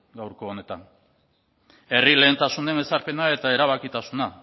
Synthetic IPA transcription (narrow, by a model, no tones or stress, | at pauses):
ɡawɾko̞ːne̞t̪an | e̞rile̞ːnt̪asune̞me̞saɾpe̞nae̞t̪ae̞ɾaβ̞akit̪asuna